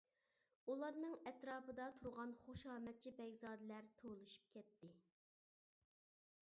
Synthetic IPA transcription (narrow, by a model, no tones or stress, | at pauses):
ulˠɑɾnɨŋɛt̪ɾɑːpʰɨd̪ɑt̪ʰuɾʁɑnχoʃɑːmɛt̪̚t͡ʃʰibɛɡʲzɑːd̪ɪlæɾt̪ʰolˠɨʃi̥p̚kʲʰɛt̪ːɪ